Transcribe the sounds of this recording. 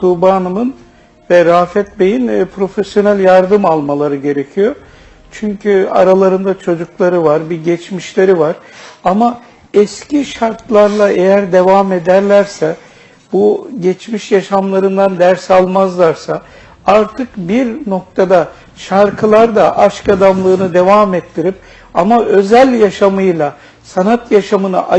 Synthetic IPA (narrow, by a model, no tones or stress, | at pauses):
t̪ʰubaːnɯmɯn | vɛɾaːfɛt̪̚bejinpʰɾo̞fesjo̞nælʲjaɾd̪ɯmalˠmalˠaɾɯɟe̞ɾecʰijo̞ | t͡ʃʰyɲcʰya̰ɾalˠaɾɯnd̪at͡ʃʰo̞d͡ʒuklˠaɾɯvaɾbiɟɛt͡ʃmiʃlʲe̞ɾivaɾ̥ama | ɛsciʃaɾt̪lˠaɾlˠaʔejæɾd̪e̞vamed̪æɾlʲæɾsɛ | buɟɛt͡ʃmiʃjaʃamlˠaɾɯnd̪and̪æɾsalˠmazlˠaɾsa | aɾt̪ʰɯkbiɾno̞k̚t̪ʰad̪a | ʃaɾkʰɯlˠaɾd̪aʔaʃkad̪amlˠɯːnɯd̪e̞vamɛt̪ʰːiɾip̚ | amaʔø̞zælʲjaʃamɯjlˠa | sanat̪jaʃamɯnɯ̰ʔa